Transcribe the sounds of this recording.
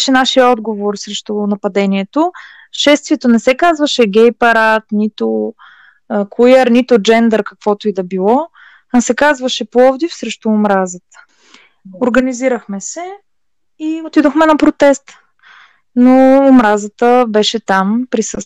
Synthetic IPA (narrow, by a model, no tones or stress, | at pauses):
ʃɛnaʃijəɔd̪ɡovoɾsɾɛʃt̪onɐpɐd̪ɛniɛt̪o | ʃɛst̪viɛt̪onɛsɛkazvɐʃɛɡʲɛjpɐɾat̪nit̪o | kʰujəɾnit̪ʊd͡ʒɛnd̪ɛɾkɐkv̥ɔt̪oid̪ɐbilˠɔ | asɛkazvɐʃɛplˠɔvd̪ifsɾɛʃt̪oːmɾazət̪ə̥ | oɾɡɐniziɾəxmɛsɛ | iot̪id̪oxmɛnɐpɾot̪ɛst̪ | noːmɾazət̪əbɛʃɛt̪ampɾisɤst̪